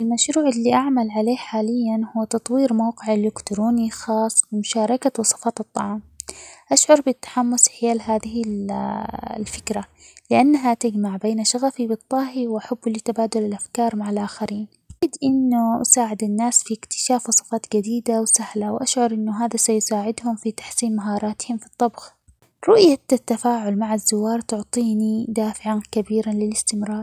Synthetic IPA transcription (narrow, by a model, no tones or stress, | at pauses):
ʔɪlmaʃɾuːʕɪlːiʔaʕmalʕaleːħaːlɪjːanhuwːt̪ɑt̪ˤwiːɾmawqɪʕɪlːɪkt̪ɾoːnixɑːsˤwɪmʊʃɑːɾˤɑkawɑsˤɑ̥fɑːt̪ɨt̪ˤːɑʕɑːmʔaʃʕʊɾˤbɪt̪ːḁħamːʊsħɪjaːlɦaːðɪɪl | lfɪ̥kɾa | lɪʔanːaɦat̪ɪd͡ʒmaʕbeːnaʃaɣafibɨt̪ˤːɑːɦiwʔaħabːɪlːit̪abaːd̪ʊlɪlʔafkɑːɾˤmaʕalʔaːxaɾiːn | ɪd̪ʔɪnːʊʔa̰saːʕɪd̪ɪnːaːsfiɪkt̪ɪ̥ʃaːfwsˤɨ̥fɑːt̪ˤd͡ʒad̪iːd̪awsahlawʔaʃʕʊɾˤʔɪnːʊɦaːðasajʊsaːʕɪd̪hʊmfit̪ḁħsiːnmaɦɑːɾˤɑːt̪hɪmfit̪ˤːɑbx | ɾˤʊʔjat̪ːafaːʕʊlmaʕazːʊwːɑːɾˤt̪ʊʕt̪ˤiːnid̪aːfɪʕankabiːɾanlɪlɪst̪ɪmɾɑːɾˤ